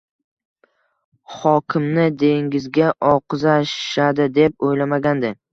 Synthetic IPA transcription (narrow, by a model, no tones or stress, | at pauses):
χɒkʲʰɪmnɪd̪e̞ŋʲɪzɡʲaʔɒqʰzaʃad̪ɪd̪e̞p̚ojlamaɡʲand̪ɪ